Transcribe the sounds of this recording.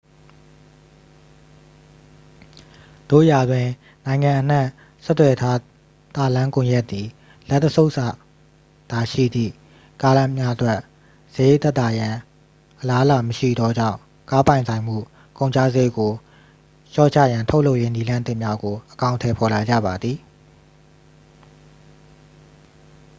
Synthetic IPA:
d̪̥o̰˦˨ja˨d̪wɪ̃˨ | nã˨ɪ̃ŋã˨ʔən̥ã˦˨ | sɛ˦t̪ːwɛ˨tʰa˦ | t̪a˨lã˦kʊ̃˨jɛ˦ʔt̪ːi˨ | lɛ˦ʔt̪ːəsʰo˦ʊʔsa˨ | d̪̥a˨ʃḭ˦˨d̪ðḭ˦˨ | ka˦lã˦mja˦ʔətwɛ˦ʔ | sə˨je˦˨t̪ɛ˦t̪ːa˨jã˨ | ʔəla˦əla˨məʃḭ˦˨d̪ɔ˦d͡ʑã̰˦˨ʊ̃ | ka˦pã˨ɪ̃nsʰã˨ɪ̃m̥ṵ˦˨ | kõ˨ʊ̃ɲt͡ɕʰa̰˦˨zḛ˦˨ɡo˨ | ʃɔ̰˦˨t͡ɕʰä̰˦˨jã˨ntʰo˦ʊlo˦ʊʔje˦ni˦lã˦nt̪ɪ˦ʔmja˦ɡo˨ʔəkã˨ʊ̃ntʰɛ˨pʰɔ˨la˨d͡ʑa̰˦˨ba˨d̪ði˨

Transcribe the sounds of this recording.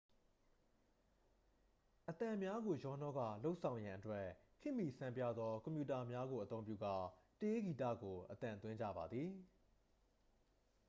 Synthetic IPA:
ʔət̪ã˨mja˦ɡo˨jɔ˦nɔ˦ɡa̰˦˨lo˦ʊʔsʰã˨ʊ̃jã˨ʔətwɛ˦kʰɪ̃˦˨mi˨sã˨mpja̰˦˨d̪ðɔ˦kɔ̃˨mpju˨ta˨mja˦ɡo˨ʔət̪õ˦ʊ̃mpjṵ˦˨ɡa˦˨te˦ɡi˨tä̰˦˨ɡo˨ʔət̪ã˨nt̪wɪ̃˦ɲd͡ʑa̰˦˨ba˨d̪ði˨

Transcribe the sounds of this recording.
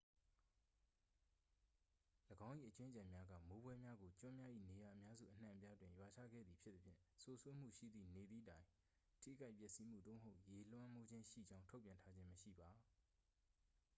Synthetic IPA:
ləɡã˦ʊ̃ʔḭ˦˨ʔət͡ɕɪ̃˦t͡ɕã˨mja˦ɡä̰˦˨mo˨˦bwɛ˦mja˦ɡo˨t͡ɕʊ̃˦mja˦ʔḭ˦˨ne˨ja˨ʔəmja˦zṵ˦˨ʔən̥ã̰˨pja˦dwɪ̃˨jwa˨t͡ɕʰä̰˦˨ɡɛ̰˦˨d̪ði˨pʰjɪ˦t̪ːə˦pʰjɪ̰̃˦˨so˨sʰwe˦m̥ṵ˦˨ʃḭ˦˨d̪ðḭ˦˨ne˨d̪ðḭ˦˨tã˨ɪ̃ | ʔtʰḭ˦˨ɡa˦ɪpjɛ˦˨ʔsi˦m̥ṵ˦˨d̪o̰˦˨mə˨ɦo˦ʊʔje˨l̥wã˦mo˦d͡ʑɪ̃˦nʃḭ˦˨d͡ʑã˦ʊ̃ntʰo˦pjã˨ntʰa˦d͡ʑɪ̃˦məʃḭ˦˨ba˨

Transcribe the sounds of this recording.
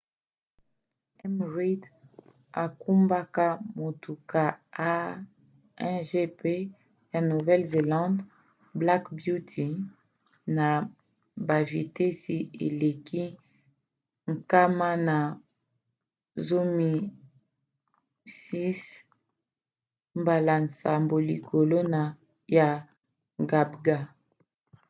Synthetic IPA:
ɛ˦mʁi˦d | a˨ku˦mba˦ka˦mo˨tu˨ka˦a˦ | ɛ̃˦ʒe˦pe˦ | ja˨nu˨vɛ˦lze˨lɑ̃˦nd | bla˦kbju˦tʰi˨ | na˨ | ba˨vi˨tɛ˦si˨ḛ˨le˨kʰi˦ | ŋ̩˨ka˦ma˦na˨ | zo˦mi˨ | si˦s | mba˨la˨n˨sa˨mbo˨li˨kʰo˨lo˦na˨ | ja˨ | ɡa˨bɡa˦

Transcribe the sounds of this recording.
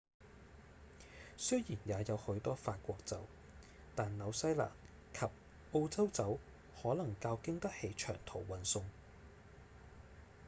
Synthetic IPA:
sɵ˥jiː˨˩njaː˨˧jɐ˨˧whɵ˨˥ɥt̪ɔː˥faː˧t̚kʷɔː˧k̚t͡sɐ̰˨˥w | t̪aː˨nnɐ˨˧wsɐ˥jla̰ː˨˩n | kʰɐ˨p̚ | ʔo˧wt͡sɐ˥wt͡sɐ˨˥w | hɔː˨˥lɐ˨˩ŋkaː˧wkɪ˥ŋt̪ɐ˥k̚he˨˧jt͡ʃʰœ̰ː˨˩ŋt̪ʰo˨˩wwɐ˨nsʊ˧ŋ

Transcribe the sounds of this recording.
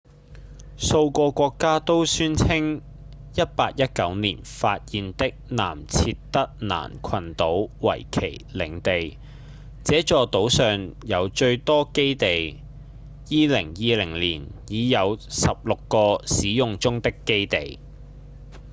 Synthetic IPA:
so˧wkʷɔː˧kʷɔː˧kːaː˥t̪o˥wsyː˥nt͡sʰɪ˥ŋ | jɐ˥t̚paː˧k̚jɐ˥t̚kɐ˨˥wnḭː˨˩nfaː˧t̚jiː˨nt̪ɪ˥k̚na̰ː˨˩mt͡sʰiː˧tt̪ːɐ˥k̚na̰ː˨˩nkʰɐ˨nt̪o˨˥wwɐ̰˨˩jkʰḛ˨˩jlɪ˨˥ŋt̪e˨j | t͡sɛː˨˥t͡ʃɔː˨˧t̪o˨˥wsœː˨ŋjɐ˨˧wt͡ʃɵ˧ɥt̪ɔː˥ke˥jt̪e˨j | jiː˥lɪ˨˩ŋjiː˧lɪ˨˩ŋliː˨˩njiː˨˧jɐ˨˧wsɐ˨p̚lʊ˨kːɔː˧siː˨˥jʊ˨˧ŋt͡sʊ˥ŋt̪ɪ˥kːe˥jt̪e˨˩j

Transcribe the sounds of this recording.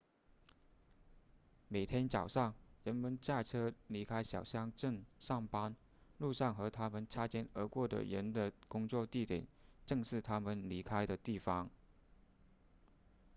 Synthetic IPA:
me˨˩ɪt̪ʰjɛ˥nt͡sɑ˨˩ʊʂɑ˥˩ŋɻə˧˥nmə˧˥nt͡ɕja˥˩ʈ͡ʂʰɤ˥li˧˥kʰa˥ɪɕjɑ˨˩ʊɕjɑ˥ŋʈ͡ʂə˥˧ŋʂɑ˥˩ŋpa˥n | lu˥˧ʂɑ˥˩ŋxɤ˧˥t̪ʰa˥mə˨nʈ͡ʂʰa˥t͡ɕjɛ˥nə̰˧˥kwɔ˥˩d̪ə̰˨ɻə̰˧˥nd̪ə˨kʊ˥ŋt͡swɔ˥˧t̪i˥˩t̪jɛ̰˨˩˦nʈ͡ʂɤ˥˧ŋʂɻ̩˥˩t̪ʰa˥mə˨nli˧˥kʰa˥ɪd̪ə˨t̪i˥˩fɑ˥ŋ

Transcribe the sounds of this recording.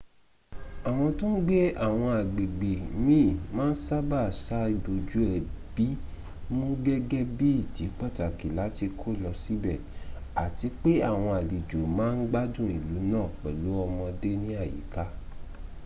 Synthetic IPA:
a˨w̃ɔ̃˧tũ˦ɡ͡be˦a˦˨w̃ɔ̃˧a˨ɡ͡be˨ɡ͡be˨mĩ˦˨mãː˦n̩˦sa˦ba˦˨sa˦i˧˨bo˨d͡ʒu˨˦ɛ˨b̥i˨˦ | mũ˦ɡɛ˦ɡɛ˦bi˦i˦˨ti˨˦k͡pa˦˨ta˨ki˨la˨˦ti˧kʰo˦˨lɔ˧si˦bɛ˦˨ | a˨ti˧k͡pe˦a˦˨w̃ɔ̃˧a˨li˨d͡ʒo˨mãː˨˦n̩˦ɡ͡ba˦dũ˦˨i˨lu˨˦nãː˦˨k͡pɛ̰˨lo˨˦ɔ˧mɔ̃˧de˦nĩ˦a˦˨jḭ˨˦ka˨˦

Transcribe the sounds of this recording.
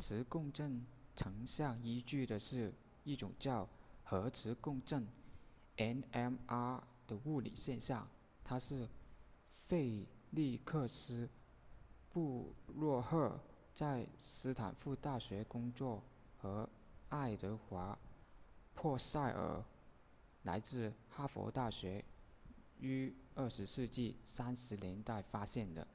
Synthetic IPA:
ʈ͡ʂʰɻ̩˧˥kʊ˥˧ŋʈ͡ʂɤ˥˩ŋʈ͡ʂʰɤ˧˥ŋɕjɑ˥˩ŋi˥t͡ɕy˥˩d̪ə˩ʂɻ̩˥˧ | i˥˩ʈ͡ʂʊ̰˨˩ŋt͡ɕjɑ˥˩ʊxɤ˧˥ʈ͡ʂʰɻ̩˧˥kʊ˥˧ŋʈ͡ʂɤ˥˩ŋ | ɛ˥nɛ˥ma˥ | d̪̥ə˨˩u˥˩lḭ˨˩ɕjɛ˥˧nɕjɑ˥˩ŋ | t̪ʰa˥ʂɻ̩˥˧ | fe˥˧ɪli˥˧kʰɤ˥˧sɹ̩˥ | pu˥˧ɻwɔ˥˧xɤ˥˩ | t͡sa˥˧ɪsɹ̩˧˥t̪ʰa̰˨˩nfu˥˧t̪a˥˩ɕɥɛ˧˥kʊ˥ŋt͡swɔ˥˩ | xɤ˧˥ | a˥˩ɪt̪ɤ˧˥xwa˧˥ | pʰwɔ˥˧sa˥˩ɪə̰˞˨˩ | la̰˧˥ɪt͡sɹ̩˥˧xa˥fɔ̰˧˥t̪a˥˩ɕɥɛ˧˥ | y˥ə˞˥˩ʂɻ̩˧˥ʂɻ̩˥˧t͡ɕi˥˩sa˥nʂɻ̩˧˥ljɛ˧˥nt̪a˥˩ɪfa˥ɕjɛ˥˩nd̪ə̰˩

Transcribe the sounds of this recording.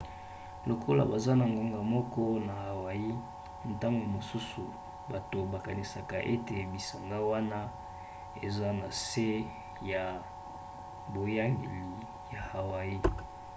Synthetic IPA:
lo˨kʰo˦la̰˨ba˨za˦na˨ŋɡa˦ŋɡa˨mɔ˦kɔ˦na˨ha˨wa˨ji˦ | n̩˨ta˦ŋɡo˨mo˨su˦su˨ | ba˨to˨ba˨ka˨ni˨sa˨ka˨ʔe˦te˨bi˨sa˨ŋɡa˦wa˦na˦ | e˨za˦na˨se˦ | ja˨ | bo˨ja˦ŋɡe˨li˨ | ja˨ha˨wa˨ji˦

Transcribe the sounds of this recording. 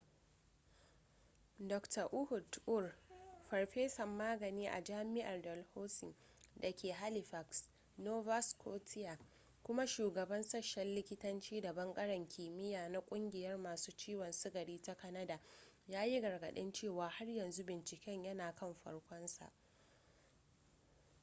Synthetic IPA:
dɔ˨ktɐ˨ʔʊ˦hʊ˨dʔʊ˦˨rɸɐ˨ɽɸeː˦sɐ˨mːaː˦ɡɐ˨niː˦ʔa̰˨d͡ʒaː˦mɪ˦ʔa˨rdɔ˨lhoː˦sɪ˨ŋ | dɐ˨kʲʰeː˨ɦa˦li˨ɸa˨ks | noː˦va˦skʰoː˦tʰɪ˦ja˨ | kʷʊ˦ma˦ʃuː˨ɡɐ˨bɐ˦nsɐ˦ʃɛ˦llɪ˦kʲɪ˦tɐ˦nt͡ʃiː˦dɐ˨bɐ˦ŋɡʼɐ˦ɽɐ˨ŋkʲʰiː˨mɪ˦jaː˨na˦kʷʼʊ˦ŋɡʲɪ˨jɐ˦rmaː˨suː˦t͡ʃiː˦wɔ˨nsɪ˦ɡɐ˨ɽiː˦ta˦kɐ˦nɐ˦da˨jaː˦ji˦ɡɐ˨rɡɐ˨ɗɪ˦nt͡ʃeː˦˨waː˨ha˦rjɐ˨nzu˦bɪ˨nt͡ʃɪ˨kʲɛ˦ɲjɐ˦naː˨kɐ˦mɸɐ̰˦ɽkʷɔ˦nsa̰˨ʔ

